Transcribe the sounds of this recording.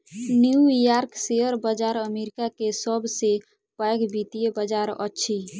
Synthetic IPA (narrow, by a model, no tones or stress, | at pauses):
njujaɾkseəɾbəd͡ʒaɾəmeɾikakesəbse | pajɡbit̪ijebəd͡ʒaɾə̰ːt͡ʃʰi